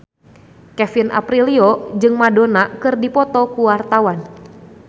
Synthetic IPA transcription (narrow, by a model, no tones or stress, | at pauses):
kɛfinʔa̰pɾiliɔd͡ʒɨŋmadonakɨrdipɔt̪ɔkuwart̪awan